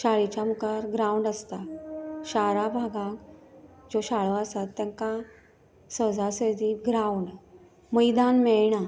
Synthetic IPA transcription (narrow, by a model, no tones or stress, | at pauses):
ɕaɭit͡ɕamukaɾɡɾauɳɖəst̪aɕaɾabʱaɡãkd͡zoɕaɭoəsat̪ːjãŋka | səd͡zʱasəd̪iɡɾauɳɖ | məjd̪anmɛɭɳa